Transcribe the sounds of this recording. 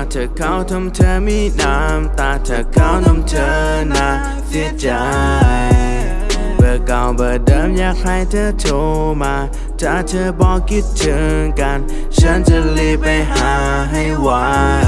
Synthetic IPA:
a˧t̪ʰəː˨˧˩kʰːa˧˩wt̪ʰa˧mt̪ʰəː˧mi˧˥˩naː˧mt̪aː˧˩t̪ʰa˧˩kʰːa˧˥˩wna˧˥mt̪ʰəː˧naː˧ | si˧˥ət͡ɕa˨˧ | bɯː˧˩ka˨˩wbɤː˨˩dɤː˧˥mjaː˧˩ŋkʰɾa˧˩jt̪ʰəː˧˥t͡ɕ̪ʰo˧maː˧ | t͡ɕa˧˩t̪ʰɤː˧bɔː˧ki˧˥t̪̚t͡ɕʰəː˧nka˧n | t͡ɕʰa˦˥nt͡ɕa˧˩li˧pa˧jɦaː˨˦ɦa˥˩jwaː˧˥˩

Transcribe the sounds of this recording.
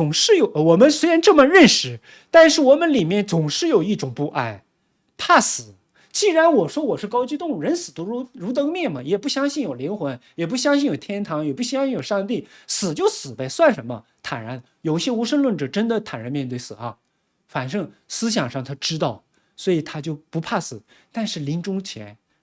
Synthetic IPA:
t͡sʊ˨˩ŋʂɻ̩˥˩jo˨˧˦ʊwɔ˨˩mə˦nswe˥ɪɻa˧˥nʈ͡ʂɤ˥˩mə˨ɻə˥˩nʂɻ̩˨˩ | t̪a˥˧nʂɻ̩˥˩wɔ˨˩mə˦nli˨˩mjɛ˥˩nt͡sʊ˨˩ŋʂɻ̩˥˩jo˨˩ʊi˥˩ʈ͡ʂʊ˨˩ŋpu˧˥ʔa˥˩ɪ | pʰa˥˩sɹ̩˨˩˦ | t͡ɕi˥˩ɻa˧˥nwɔ˨˩ʂwɔ˥wɔ˨˩ʂɻ̩˥˩kɑ˥ʊt͡ɕy˥˧t̪ʊ˥˧ŋ˩ɻə˧˥nsɹ̩˨˩t̪u˧˥ɻu˧˥ɻu˧˥t̪ɤ˧˥ŋmjɛ˥˩nmɐ˩jɛ˨˩pu˥˩ɕjɑ˥ŋɕi˥˩njo˨˩ʊli˧˥ŋxwə˧˥njɛ˨˩p̬u˥˩ɕ̬jɑ˥ŋɕi˥˩njo˨˩ʊt̪ʰjɛ˥nt̪ʰɑ˧˥ŋjɛ˨˩pu˥˩ɕjɑ˥ŋɕi˥˩njo˨˩ʊʂɑ˥˧ŋt̪i˥˩sɹ̩˨˩t͡ɕjo˥˩ʊsɹ̩˨˩pe˥˩ɪswa˥˩nʂə˧˥nmə̰˧t̪ʰa˨˩na˧˥n | jo˨˩ʊi˥ɕjɛ˥u˧˥ʂə˥˧nlwə˥˩nʈ͡ʂɤ˨˩ʈ͡ʂə˥nd̪ə˨t̪ʰa˨˩nɻə˧˥nmjɛ˥˧nt̪we˥˩ɪsɹ̩˨˩ɐ˧˥˩ | fa˨˩nʂɤ˥˩ŋsɹ̩˥ɕ̬jɑ˨˩ŋʂɑ˥˩ŋt̪ʰa˥ʈ͡ʂɻ̩˥t̪ɑ˥˩ʊ | swɔ˧˥i˨˩t̪ʰa˥t͡ɕjo˥˩ʊpu˧˥pʰa˥˩sɹ̩˨˩˦ | t̪a˥˧nʂɻ̩˥˩li˧˥ŋʈ͡ʂʊ˥ŋt͡ɕʰjɛ˧˥n

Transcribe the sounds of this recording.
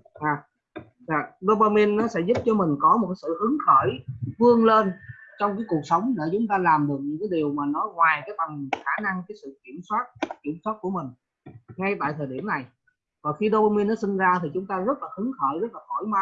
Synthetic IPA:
ʔaː˨˩ | za̰ː˨˩ɗo˧ɓa˧mi˧nːɔ˨˦sɛ̰˧˥zʊ˦˥p̚t͡ɕɔ˧mï˨˩ŋ̟kɔ˨˦m̚˨˩ka˨˦sɨ̰˧˨hɨ˨˦ŋxəː˧˩jvɨ˧əŋleː˧nt͡ɕɔ˧wŋ͡mk̬aː˨˦jku˨˩ək̚sə˨˦wŋ͡mɗe˧˩t͡ɕʊ˨˦ŋ͡mt̪aː˧laː˨˩mɗɨ˨˩ək̚ɲ̰˧˥kaː˨˦jɗi˨˩əwmaː˨˩nɔ˨˦ŋwaː˨˩jkaː˨˦jt̪ə˨˩mxaː˧˩na˧ŋkaː˨˦jsɨ̰˧˨ki˧˩əmswaː˦˥t̚ki˧˩əmswaː˦˥t̚ku˧˩əmï˨˩ŋ̟ | ŋa˧jt̪a̰ː˧˨jt̪ʰəː˨˩jɗi˧˩əmna˨˩j | vaː˨˩fi˧ɗo˧ɓa˧mi˧nːɔ˨˦sï˧ŋ̟zaː˧t̪ʰi˨˩t͡ɕʊ˨˦ŋ͡mt̪aː˧zə˦˥t̚laː˨˩hɨ˨˦ŋxəː˧˩jzə˦˥t̚laː˨˩xɔ˧˩jma˧˦

